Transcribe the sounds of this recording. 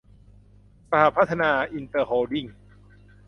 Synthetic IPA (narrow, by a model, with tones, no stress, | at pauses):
sa˧ha˧˦pʰːa˦˥t̪ʰːa˧naː˧ʔi˧nt̪ɤː˧hoː˧di˥˩ŋ